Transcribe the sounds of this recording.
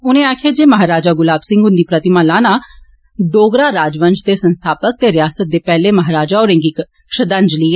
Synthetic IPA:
ʊnẽːaːkʰjaːd͡ʒeːməɦaːɾaːd͡ʒaːɡʊlaːbsɪ̃ŋɡʊnd̪iːpɾət̪ɪmãːlaːnaː | ɖoːɡɾaːɾaːd͡ʒʋənd͡ʒt̪eːsənst̪ʰaːpək̚t̪eːɾɪjaːsət̪̚d̪eːpɛːleːməɦaːɾaːd͡ʒaːoːɾẽːŋɡɪk | ʃəd̪ə̃nd͡ʒliːɛː

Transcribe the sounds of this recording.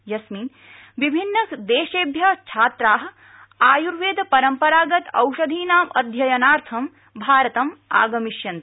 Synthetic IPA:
jɐsmiːn | ʋibʱinːɐkd̪eːʃeːbʱjɐt͡ʃʰaːt̪ɾaːɦɐ | aːjuɾʋeːd̪ʱpɐɾɐmpɐɾaːɡɐt̪ɐ̰wʃɐd̪ʱiːnaːmʔɐ̰d̪ʱjɐjɐnaːɾt̪ʰɐm | bʱaːɾɐt̪ɐma̰ːɡɐmiʃjɐnt̪

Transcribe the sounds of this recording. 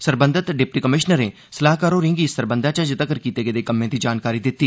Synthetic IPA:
səɾbənd̪ət̪ɖɪpʈiːkəmɪʃnəɾẽː | səlaːɦkaːɾoːɾɪ̃ŋɡiːsəɾbənd̪ãːt͡ʃəd͡ʒət̪əkəɾkiːt̪eːɡed̪eːkəmːẽːd̪iːd͡ʒaːnkaːɾiːd̪ɪt̪ːiː

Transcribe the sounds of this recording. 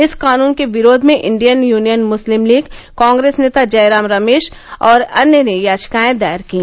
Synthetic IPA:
ɪskaːnuːnkeʋɪɾoːd̪ʱmẽʔɪ̰̃ɳɖijənjuːnijənmʊslɪmliːɡ | kãːŋɡɾeːsneːt̪ad͡ʒɐjɾaːmɾɐmeːʃ | ɔːɾɐnjənejaːd͡ʒkaːẽd̪aːjəɾkĩ

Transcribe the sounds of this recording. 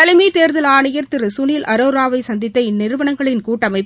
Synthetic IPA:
ɐlɪmit̪eːɾðɐlaːɳɐjɐɾt̪ɪrɯsʊniːlʔɐɾoːɾaːʋɐɪsɐnd̪ɪt̪ːɐɪnːɪɾɯʋɐɳɐŋɡɐɭɪnkuːʈːɐmɐɪpː

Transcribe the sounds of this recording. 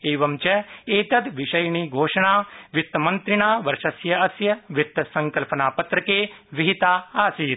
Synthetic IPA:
eːʋɐmt͡ʃɐeːt̪ɐd̪ʋɪʃɐjɳiːɡʱoːʃɐɳaːʋɪt̪ːmɐnt̪ɾɪɳaːʋɐɾʃɐsjɐɐsjɐʋɪt̪ːɐsɐ̃ŋkɐlpɐnaːpɐt̪ɾɐkeː | ʋiɦit̪aːaːsiːɾ

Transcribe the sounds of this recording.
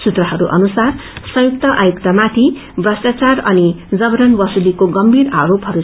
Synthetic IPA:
sut̪rʌɦʌɾuʔʌ̰nusarsʌ̃jukt̪ʌʔajukt̪ʌmat̪ʰi | brʌsʈat͡sarʌnid͡zʌbʌɾʌnbʌsulikoɡʌmbʱiɾaaɾopɦʌɾu

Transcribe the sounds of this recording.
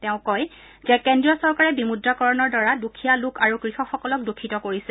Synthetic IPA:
tɛʊ̃kɔj | zɛkɛndɹijɔsɔɹkaɹɛbimudɹakɔɹɔnɔɹdaɹadukʰijalukʰaɹukɹixɔxɔkɔlɔk̚dukʰːitɔkoɹisɛ

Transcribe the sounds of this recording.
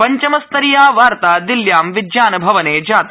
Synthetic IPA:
pɐɲt͡ʃɐmɐst̪ɐɾijaːʋaːɾt̪aːd̪iljaːmʋɪd͡ʒjaːnɐbʱɐʋɐneːd͡ʒaːt̪

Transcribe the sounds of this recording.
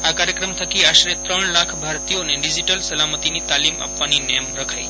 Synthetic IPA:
akaɾjəkɾəmt̪ʰəkiaʃɾet̪ɾəɳlakʰbʱaɾt̪ijoneɖid͡ʒiʈəlsəlamət̪init̪alima̰pʋaninɛjəmɾəkʰaj

